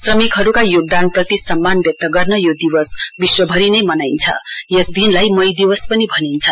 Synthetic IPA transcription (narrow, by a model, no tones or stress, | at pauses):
srʌmikɦʌɾukajoɡ̚d̪anprʌt̪isʌmːanbjʌk̚t̪ʌɡʌrnʌjod̪iwʌsbiswʌbʱʌɾinʌjmʌnajnt͡sʰʌ̰jesd̪inlajmʌjd̪iwʌspʌnibʱʌnint͡sʰʌ